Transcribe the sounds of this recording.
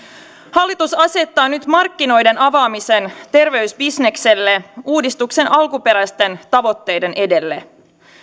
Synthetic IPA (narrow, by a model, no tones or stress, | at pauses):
hɑlːit̪usɑse̞t̪ːɑːnyt̪mɑrkːino̞jde̞nɑʋɑːmise̞nt̪e̞rʋe̞yɥsbisne̞kse̞lːe̞uːdist̪ukse̞nʔɑlkupe̞ɾæst̪e̞nt̪ɑʋo̞t̪ːe̞jde̞nʔe̞de̞lːe̞